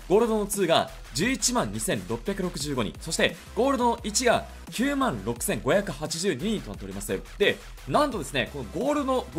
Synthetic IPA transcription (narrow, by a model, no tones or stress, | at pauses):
ɡo̞ːɾɯ̟d̪o̞no̞t͡sɨːɡa̰ | d͡ʑɨːit͡ɕimãɲ̟ɲːisẽ̞nɾo̞pːʲjakɯ̟ɾo̞kɯ̟ʑɨːɡo̞ɲ̟ḭ̃so̞ɕi̥t̪e̞ | ɡ̥o̞ːɾɯ̟d̪o̞noʔit͡ɕiɡa | kʲɨːmãnɾo̞kɯ̟̥sẽ̞ŋɡo̞jakɯ̟hat͡ɕiʑɨːɲ̟iɲ̟ĩnt̪onat̪ːeɾimasɨd̪̥e̞ | nãnt̪o̞d̪e̞sɨne̞ko̞no̞ɡo̞ːɾɯ̟no